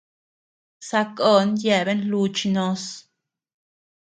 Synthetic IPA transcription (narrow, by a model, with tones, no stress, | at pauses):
sa˧ko˦˨nje˧˨be˦nlu˧t͡ʃi˧no˧s